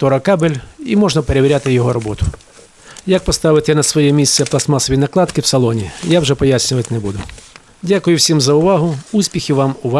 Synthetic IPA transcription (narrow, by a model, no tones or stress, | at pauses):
t̪ɔɾɐkabelʲimɔʒnɐpeɾeʋʲɾʲat̪ɪjɔɦɔɾɔbɔt̪ʊ | jak̚pɔst̪ɑʋɪt̪ɛnɐsʋɔjɛmʲisʲt̪ɛplˠɐsmɑsɔʋʲinɐklˠɑt̪kɪwsɐlˠɔnʲḭjawʒɛpɔjasʲnʲʊʋɐtʲnɛbud̪ʊ | dʲakʊjʊwsʲimzɐʊʋɑɦʊusʲpʲixʲɪʋɑmʊʋɑ